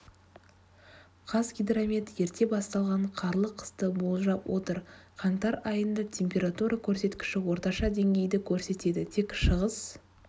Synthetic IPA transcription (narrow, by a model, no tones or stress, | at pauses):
qʰɑzɡʲijd̪ramʲet̪je̞ɾt̪e̞bɑst̪ɑlˠʁɑɴqʰɑɾlˠəqʰə̥st̪əbo̞lˠʒɑpwʔo̞̰t̪əɾqʰɑnt̪ɑɾɑjənd̪ət̪ʲʰe̞mpʲe̞ɾat̪uɾɑkʲʰɵɾse̞t̪kʲɪ̥ʃɪwo̞ɾt̪ɑʃɑd̪e̞ŋɡʲe̞jd̪ɪkʲʰɵɾse̞t̪e̞d̪ɪt̪ʰe̞kʃəʁəz̥